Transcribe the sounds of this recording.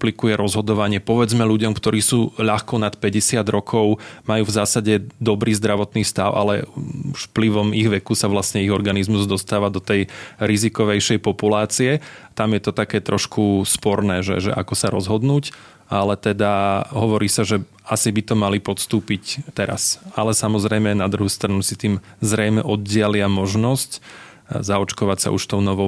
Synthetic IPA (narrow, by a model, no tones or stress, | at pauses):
plikujɛɾɔzɦɔd̪ɔʋaɲɪɛpɔʋɛd͡zmɛluɟɔmkt̪ɔɾiːsuːʎaxkɔnat̪pɛɟɛsɪad̪ɾɔkʰɔʊmajuːvzaːsaɟɛd̪ɔbɾiːzd̪ɾaʋɔt̪niːst̪aʊʔa̰lɛ̰uʃfpliʋɔmiɣʋɛkusaʋlast̪ɲɛiɣɔɾɡanizmuzd̪ɔst̪aːʋad̪ɔt̪ɛjɾizikɔʋɛjʃɛjpɔpulaːt͡siɛt̪amjɛt̪ɔt̪akɛːt̪ɾɔʃkʰuspɔɾnɛːʒɛ̰ʒɛ̰ʔa̰kɔsaɾɔzɦɔd̪nuːc | alɛt̪ɛd̪aɦɔʋɔɾiːsaʒɛ | asibit̪ɔmalipɔt̪st̪uːpict̪ɛɾa̰salɛsamɔzɾɛjmɛnad̪ɾuɦuːst̪ɾanusit̪iːmzɾɛjmɛʔɔd̪̚ɟɪalɪamɔʒnɔsc | zaɔt͡ʃkɔʋacsa̰ʔṵʃft̪ɔʊnɔʋɔ